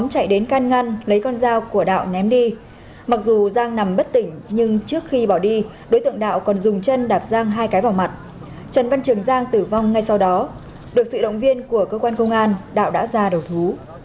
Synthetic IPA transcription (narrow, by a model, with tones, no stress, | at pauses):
ɔ˨˦ŋ͡mt͡ɕa̰˧˨jɗe˨˦nkaː˧nŋa˧nlə˨˦jkɔ˧nzaː˧wku˧˩əɗa̰ː˧˨wnɛ˨˦mɗi˧ | ma˨˩k̚zu˨˩zaː˧ŋna˨˩mɓə˦˥t̚t̪ï˧˩ŋ̟ɲɨ˧ŋt͡ɕɨ˦˥ək̚xi˧ɓɔ˧˩wɗi˧ | ɗo˨˦jt̪ɨ̰˧˨əŋɗa̰ː˧˨wkɔ˨˩nzʊ˨˩ŋ͡mt͡ɕə˧nɗaː˨˩p̚zaː˧ŋɦaː˧jkaː˨˦jva˧˩wma˨˩t̚ | t͡ɕə˨˩nva˧nt͡ɕɨ˨˩əŋzaː˧ŋt̪ɨ˨˩va˧wŋ͡mŋa˧jsa˧wɗɔ˨˦ | ɗɨ˨˩ək̚sɨ̰˧˨ɗə̰˧˨wŋ͡mvi˧ənku˧˩əkəː˧kwaː˧nkə˧wŋ͡mʔaː˧nɗa̰ː˧˨wɗa̰ː˧˥zaː˧ɗə˨˩wt̪ʰu˨˦